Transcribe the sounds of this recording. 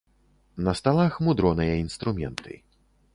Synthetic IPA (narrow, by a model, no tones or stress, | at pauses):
nɐst̪alˠaxmud̪ɾɔnɨjɐinst̪ɾumʲɛ̰nt̪ɨ̰